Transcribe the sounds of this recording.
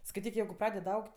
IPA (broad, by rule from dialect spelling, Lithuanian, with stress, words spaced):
skɐɪˈtʲiːk jɛɪɡʊ ˈprɑːdʲɛdɐ ˈɐʊktʲ